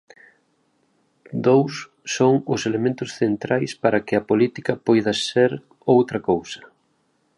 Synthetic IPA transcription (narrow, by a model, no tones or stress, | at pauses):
d̪owsː | oŋʊselemẽnt̪ʊsθent̪ɾajspaɾɐkɪɐpolit̪ikɐpojðɐseɾ | owt̪ɾɐkowsɐ̥